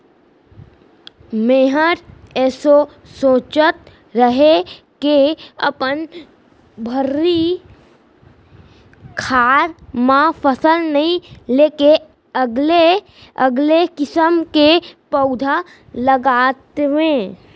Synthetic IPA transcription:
meːɦəɾɛːso | soːt͡ʃət̪̚ | ɾəɦe | keə̰pən | bʱəɾːi | kʰaːɾmãpʰəsəlnəɦĩleːke | əɡle | əɡlekɪsəmkepəʊd̪ʱa | ləɡaːt̪ʋẽ

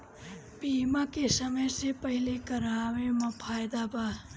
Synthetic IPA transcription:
biːmakesəməjsepɐɦɪlekɐɾaːʋemɐ̃pʰaːjd̪abaː

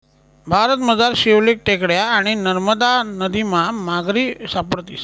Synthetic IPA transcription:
bʱaɾət̪məd͡zaɾɕiʋlik̚ʈekɽjaːɽ̃inəɾməd̪anəd̪imamaɡɾisapəɽt̪is

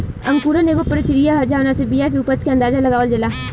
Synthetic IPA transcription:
ɐ̃ŋkuːɾəneːkopəɾɪkɾijaɦɐd͡ʒaʊnãsebijak̬eupət͡ʃkeɐnd̪aːzalɐɡaːʋəld͡ʒɪlaː

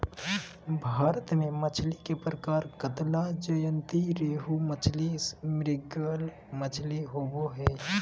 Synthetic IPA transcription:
bʱaːɾət̪mẽmət͡ʃʰlikepɾəkaːɾkət̪lad͡ʒəjənt̪iɾeːɦumət͡ʃʰlismɾɪɡəl | mət͡ʃʰliɦoboɦɛː

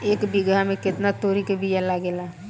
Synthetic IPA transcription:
ekbiɡameket̪nat̪oɾikebʱijalaɡela

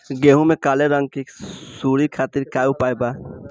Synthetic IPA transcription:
ɡeɦũmẽkaːleɾə̃ŋɡ̚kisuɾikʰaːt̪iɾkaːupaːjba

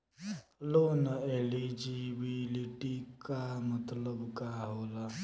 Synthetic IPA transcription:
loːnəelid͡ʒibiliʈikamət̪ləbkaɦoːla

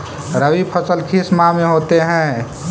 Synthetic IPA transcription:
ɾəwipʰət͡ʃəlkʰismameɦot̪eɦɛ̃

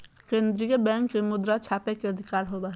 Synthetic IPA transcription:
kẽːnd̪ɾijəbɛ̃ːŋkːemʊd̪ɾat͡ʃʰaːpekeɐd̪ʱɪkaːɾɦobaɦ

